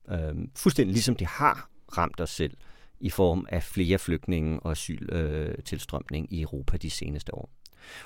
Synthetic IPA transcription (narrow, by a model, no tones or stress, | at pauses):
øfulsd̥en̰d̥ilisɒ̽md̥e̝hɑ̈ʁɑ̈m̰d̥ɒ̽sːel̰ifɒːmæfle̝ːɐfløɡ̥̚d̥ne̝ŋ̩ɒ̽æsy̰ːlt͡sʰe̝lsd̥ʁɶm̰ne̝ŋiœʊʁo̝ːpʰæd̥ise̝ːnəsd̥əɒ̰ː